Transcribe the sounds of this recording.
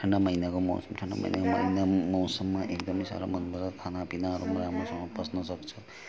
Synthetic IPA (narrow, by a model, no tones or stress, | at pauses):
ʈʰʌɳɖamʌjnakomɔ̰wsʌmʈʰʌɳɖa̰mʌ̰jna̰komʌjnamʌwsʌmːaʔekd̪ʌmesa̰ɾa̰mʌnbeɾʌt̪ʰanapinaɾumuɾamɾosʌmːʌprʌsnʌsʌk̚t͡sʰʌ